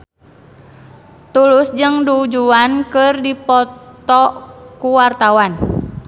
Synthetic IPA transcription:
t̪ulʊsd͡ʒɨŋdud͡ʒuankɨrdipɔt̪ɔkuwart̪awan

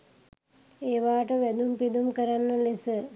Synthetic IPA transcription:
eːʋaːʈəʋæd̪umpid̪umkəɾanːəlisə

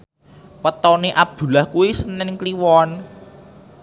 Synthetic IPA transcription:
wət̪ɔneʔab̥̚d̪̥ṳlahkuwisənɛŋkliwɔn

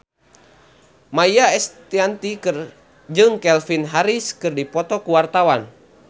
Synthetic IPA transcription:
majaɛst̪iant̪ikr | d͡ʒɨŋkɛlfinɦaɾiskɨrdipɔt̪ɔkuwart̪awan

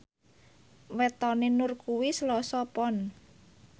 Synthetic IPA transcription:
wɛt̪ɔnenʊrkuwislɔsɔpɔn

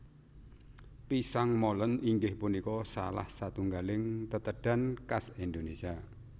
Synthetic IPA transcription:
pisaŋmɔləniŋɡɪhpunikɔsa̰la̰hsat̪uŋɡalɪŋt̪ət̪əɖ̥a̤nkasind̪onesia

